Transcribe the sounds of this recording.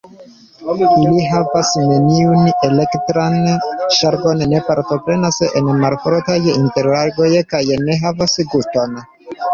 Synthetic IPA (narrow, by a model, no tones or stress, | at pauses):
iliɦavasne̞niune̞le̞ktɾanʃaɾɡo̞nːe̞paɾto̞pɾe̞nase̞̰nmalfoɾtajinte̞ɾlaɾɡo̞jkajne̞ɦavasɡusto̞n